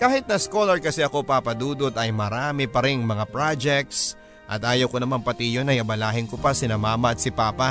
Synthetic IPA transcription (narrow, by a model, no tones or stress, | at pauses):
kaːhɪt̪̚nɐsko̞lɐɹkɐsɛʔɐko̞papɐd̪uːd̪o̞t̪ɐjmɐɾaːmɪpɐɾɪŋmɐŋapɾad͡ʒɛk̚t̪s | ʔɐ̰t̪ʔaːjɐwkonɐmaŋpɐt̪ijonɐjʔɐbɐlaːhɪŋkopɐsɪnɐmaːmɐɐt̪̚sɪpaːpa